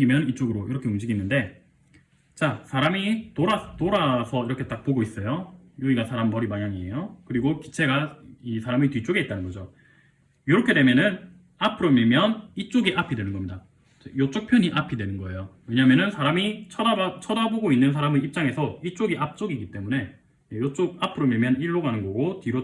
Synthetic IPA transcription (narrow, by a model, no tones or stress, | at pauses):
ɡimjʌnit͡ɕ͈oɡɯɾoiɾʌkʰe̞umd͡ʑiɡinːɯnde̞ | t͡ɕasʰaɾamitoɾat͈oɾasʰʌiɾʌkʰe̞t͈ak̚p͈oɡois͈ʌjojuiɡasʰaɾambʌɾimaɲaŋie̞jokɯɾiɡoki̥t͡ɕʰe̞ɡaisʰaɾamitɥit͡ɕ͈oɡeit̚t͈anɯnɡʌd͡ʑo | juɾʌkʰe̞dwe̞mjʌnɯn | apʰɯɾomiɭmjʌnit͡ɕ͈oɡiʔapʰidwe̞nɯnɡʌmɲida | t͡ɕejot͡ɕ͈ok̚pʰjʌɲiʔapʰidwenɯnɡʌe̞jowe̞ɲamjʌnɯnsʰaɾamit͡ɕʰʌdaat͡ɕʰʌdaboɡoinːɯns̬ʰaɾamɯip̚t͡ɕ͈aŋe̞sʰʌit͡ɕ͈oɡiʔap̚t͡ɕ͈oɡiɡit͈e̞mune̞ | jejot͡ɕ͈oɡ̚apʰɯɾomiɭmjʌniɭːoɡanɯnɡʌɡotiɾo